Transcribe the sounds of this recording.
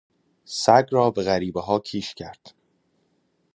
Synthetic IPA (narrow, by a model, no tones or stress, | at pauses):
sæɡɾɒːbeɣæɾiːbeɦɒːcʰiːʃcʰæɾd̪̥